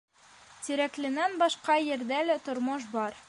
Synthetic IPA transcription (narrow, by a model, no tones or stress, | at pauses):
t̪iɾæklɘ̆nænbɒʃqɑjɘ̆ɾd̪ælæt̪ŏɾmɤʃ̬bɒɾ